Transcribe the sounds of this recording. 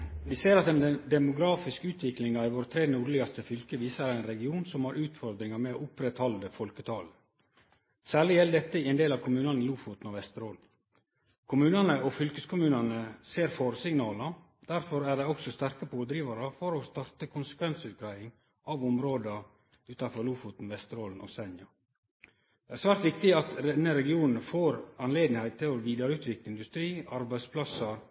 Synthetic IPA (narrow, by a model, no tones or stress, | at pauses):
d̪ɪseːɾɑt̪eːnd̪ɛmʊɡɾɑːfɪskʉːt̪ʰʋɪklɪŋɑɪʋoːɾt̪ʰɾeːnuɾlɪɡɑst̪əfʏlkəʋiːsəɾææɪnɾɛɡɪuːnsɔmhɑɾʉːt̪fɔɾd̪ɾɪŋɑmɛoːʊpɾɛt̪hɔld̪əfɔlkət̪ʰɑːlə | sæːɭɪjɛld̪ɛt̪ːəɪɛnd̪eːlɑʋkʰʊmʉːnɑnɪluːfʊt̪n̩ɔʋɛst̪əɾoːl | kʰʊmʉːnɑnəʔɔfʏlkəskʰʊmʉːnɑnəseːɾfɔɾsɪŋnɑːlɑ | d̪̥æɾfɔɾæɖɛɪɔksɔst̪æɾkəpʰoːld̪ɾiːʋɑɾəfɔɾɔst̪ɑɾt̪əkʰʊnsə̥kʰʋɛnsʉːt̪̚ɡɾæɪɪŋ | ʔɑʋʊmɾoːd̪ə | ʉːt̪ɑfɔɾluːfut̪n̩ʋɛst̪əɾoːln̩ʔɔ̰sɛnjɑ | d̪ɛæːɾsʋæːɾt̪ʋɪkt̪ɪɑt̪ɾɛnːəɾɛɡɪuːnn̩foːɾɑnleːd̪nɪhæɪt̪t̪ʰːɪlɔʋiːd̪ɑɾəʉːt̪ʋɪkləɪnd̪ʉst̪ɾiːɑɾbæɪspʰlɑsəɾ